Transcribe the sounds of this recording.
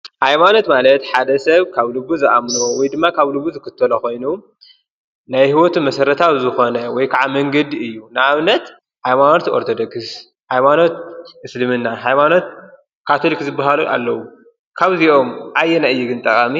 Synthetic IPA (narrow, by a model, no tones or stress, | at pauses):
hajmano̞t̪malɐt̪ħad̪ɐsɐβkʰaβlɨbːuzɨʔamnowɔjd̪ɨmːakʰaβlɨbːuzɨkʰɨt̪ʰːɐlɐxo̞jnu | najhiwot̪ʰumɐsɐɾɐt̪ʰawzɨxo̞nɐwɔjkʰaʕamɐŋɡɐd̪iɨjːunɨʔaβnɐt̪ | hajmanot̪o̞ɾt̪ʰod̪okɨs | hajmano̞t̪̚ʔɨslɨmɨnːaɦajmano̞t̪̚ | kʰat̪ʰɨlkzɨbːaɦaluʔa̰lːɐwu | kʰaβziʔo̞mʔajːɛnajːiɡɨnt̪ʼɐkʼami